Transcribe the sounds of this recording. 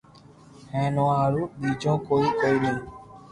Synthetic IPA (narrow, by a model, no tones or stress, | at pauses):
hɛ̃nɔ̃aɾubid͡ʒɔ̃koikoinĩ